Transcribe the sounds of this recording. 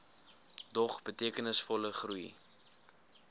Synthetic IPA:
dɔχbətiəkənəsfɔləχruj

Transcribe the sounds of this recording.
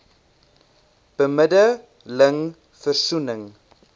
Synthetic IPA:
b̥əmədə | ləŋ | fərsunəŋ

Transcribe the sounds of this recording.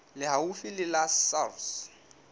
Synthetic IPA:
lɪɦaufilɪlasals

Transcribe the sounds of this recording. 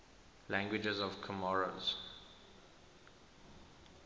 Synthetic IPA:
lãŋɡwɪd͡ʒəzɔv̥kʰəmɔɹoz̥

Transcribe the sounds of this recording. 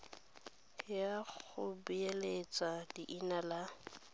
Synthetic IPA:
jaχʊbuelet͡sʼadiʔinala

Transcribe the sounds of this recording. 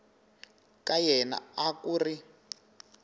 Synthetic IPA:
kajɛna̰akuːri

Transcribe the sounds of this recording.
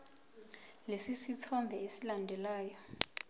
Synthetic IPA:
lesisitʰɔmbʱɛesilandʱɛlaːjɔ

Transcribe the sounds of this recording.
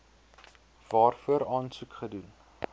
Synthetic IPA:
vɑːrfuəɾɑːnsukχədun

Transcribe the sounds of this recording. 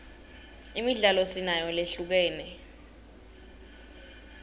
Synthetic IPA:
imiɮalosinajɔleɬuk̬ɛːnɛ

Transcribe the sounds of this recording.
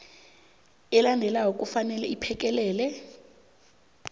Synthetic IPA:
ɛlandʱɛlaɦok̬ʼufanɛlɛipʰɛk̬ʼɛlɛːlɛ

